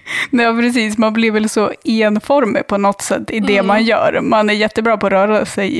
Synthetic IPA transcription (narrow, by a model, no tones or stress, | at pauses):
ɑːpʰɾɛs̬iːsmanblɪɾvɛlsɔeːnfɔɾmɪ̰pʰɔnɔt̪sɛ̰t̪ːɪd̪ɛmanjœ̰ːɾmanæɾjɛt̪ːəbɾɑːpʰɔːɾœːɾasɛj